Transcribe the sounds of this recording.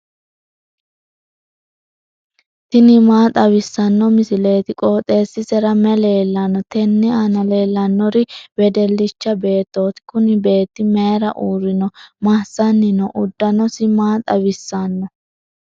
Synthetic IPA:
t̪ɪnɪmaːt̪ʼɐβɪsːɐnːɔmɪsɪle̞ːt̪ɪkʼoːt̪ʼːe̞ːsːɪsɛɾɐmɛle̞ːlːɐnːɔt̪ɛnːɪɐnɐle̞ːlːɐnːɔɾɪbɛd̪ɛlːɪt͡ʃːɐbe̞ːt̪ːo̞ːt̪ɪ̥kʊnɪbe̞ːt̪ːɪmeːɾɐ̰ʔuːɾɪnɔmasːɐnːɪnɔʔʊd̪ːɐnɔsɪmaːt̪ʼɐbɪsːɐnːɔ

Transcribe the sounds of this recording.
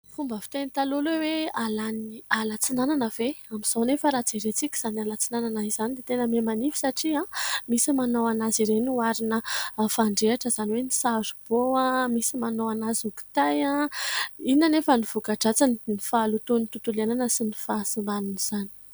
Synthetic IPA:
fumbəfi̥t̪enit̪alulewealanialat͡sinananəveamiz̥onefəɾat͡siɾet͡sikʲi̥z̥analat͡sinananaiz̥anid̪et̪enəmemanifi̥saʈ͡ʂiãmisimanowanaziɾenuaɾinəfaɳɖ͡ʐeaʈ͡ʂəzaniwenisazub̥oamisimanoanazuki̥t̪ajã | inanefəniv̥ukaʈ͡ʂat͡sannifalut̪unit̪ut̪ulananəsinifaːsimbanuniz̥ani̥

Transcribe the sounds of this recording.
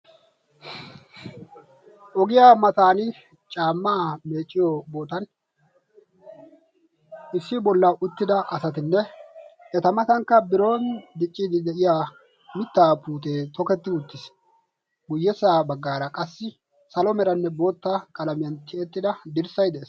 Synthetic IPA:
ʔɔɡɪjaːmɐt̪aːnɪ | t͡ʃʼaːmːaːme̞ːt͡ʃʼːɪjobo̞ːt̪ɐn | ʔɪsːɪbɔlːɐʔʊt̪ːɪd̪ɐʔɐsɐt̪ɪnːɛ | ɛt̪ɐmɐt̪ɐŋkːɐbɪɾo̞ːnd̪ɪt͡ʃʼːiːd̪ɪd̪ɛʔɪjaː | mɪt̪ːaːpuːt̪eːt̪ɔkɛt̪ːɪʊt̪ːɪs | ɡʊjːɛsaːbɐɡːaːɾɐkʼɐsːɪ | sɐlɔmɛɾɐnːɛbo̞ːt̪ːakʼɐlɐmɪjɐnt̪ʰɪɛt̪ːɪd̪ɐd̪ɪɾsɐjd̪ɛeːs

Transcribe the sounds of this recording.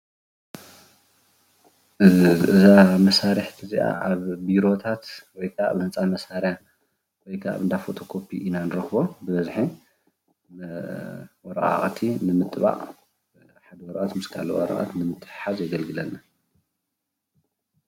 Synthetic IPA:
ʔɨɨzamɐsaɾɨħt̪ʰɨziʔa̰ʔaβbiɾo̞t̪ʰat̪wɔjkʰaβnɨt͡sʼamɐsaɾja | wɔjkʰa̰βɨnd̪afot̪ʰo̞kʰopʰiʔinanɨɾɐxbobɨβɐzħi | wɔɾɐ̰ʔa̰ʔʼt̪ʰinɨmɨt̪ʼβa̰ʔʼ | ħad̪ɐwɔɾɐʔʼat̪mɨskʰa̰lo̰wɔ̰ɾɐ̰ʔa̰t̪nɨmɨt̪ʼːɨ̥ħħazjɐɡɐlɡɨlɐnːa

